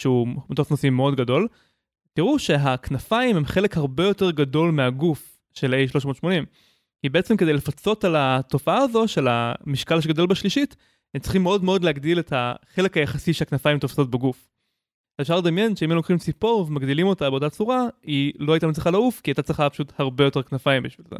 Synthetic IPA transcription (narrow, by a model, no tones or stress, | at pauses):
ʃeumet̪ofnosimeo̞dɡado̞l | tiʁuʃe̞ɦaknafaime̞mχe̞lekhaʁbe̞jo̞teʁɡado̞lmeaɡuf | ʃelejʃlo̞ʃmo̞ːt̪ʃmo̞nim | kibeet͡semkedejlefat͡so̞talato̞faaːzo̞ʃela̰miʃkalʃ̬eɡod̪o̞lbaʃliʃit | emt͡sli̥χimːeo̞dmeo̞d̪leaɡdiletaχe̞lekajaχasiʃeaknafaimt̪ofso̞t̚beɡuf | zefʃaʁled̪amje̞nʃeimemlokχimt͡sipo̞ʁvemaɡd̪ilimo̞tabe̞ot̪̬at͡suʁailo̞ajtamit͡sliχalaufkiat̪at͡sliχapḁʃuthaʁbe̞jo̞te̞ʁknafaimbiʃvilzḛ